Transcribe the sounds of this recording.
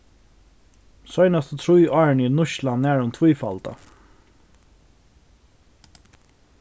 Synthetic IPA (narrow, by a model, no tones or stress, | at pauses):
sœʏnɑst̪ət̪ʰɾujʔɑːɹɳinʊʃlannæːɹʊnt̪ʰvuːfɑlt̪ɑ̰